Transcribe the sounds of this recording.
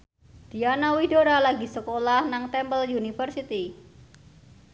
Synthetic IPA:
d̪̥i̤anawidoɾalaɡisəkolahnaŋt̪ɛmbəliunifərsit̪i

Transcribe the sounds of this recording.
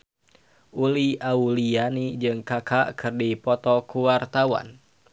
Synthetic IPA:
ʔuliʔaulijanid͡ʒɨŋkakʰakʰɨrdipɔt̪ɔkuwart̪awa̰n

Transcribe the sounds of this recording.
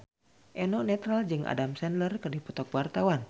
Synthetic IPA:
ʔɛnɔnɛt̪ɾald͡ʒɨŋʔa̰damsɛnlərkɨrdipɔt̪ɔk̚wart̪awan

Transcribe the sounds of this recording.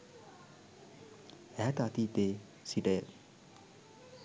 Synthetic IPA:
æːt̪at̪iːt̪eː | siʈəjə

